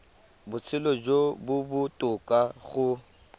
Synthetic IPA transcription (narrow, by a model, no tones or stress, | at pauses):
bʊt͡sʰɪlɔd͡ʒobʊbʊtʼʊkʼaɣʊ